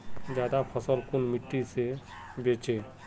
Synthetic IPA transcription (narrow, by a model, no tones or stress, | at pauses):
d͡ʒaːd̪apʰɔsɔlkunmiʈːise | bet͡ʃe